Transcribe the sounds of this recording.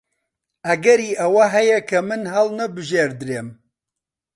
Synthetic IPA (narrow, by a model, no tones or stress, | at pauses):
ɐɡɐɾiːʔɐwɐɦɛjɛkʰɐmɨnɦɐlnɐbɨʒeːɾd̪ɨɾeːm